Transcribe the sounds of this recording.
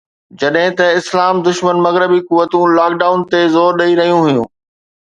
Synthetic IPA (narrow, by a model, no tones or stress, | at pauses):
d͡ʑɐɗɦɪ̃t̪ɐɪslaːmd̪ʊʃmənmɐɣɾɪbikʊʋːət̪ũlaːk̚ɖaːʊnt̪ezoːɾɗɐiɾɐɦijũɦʊjṵ̃ː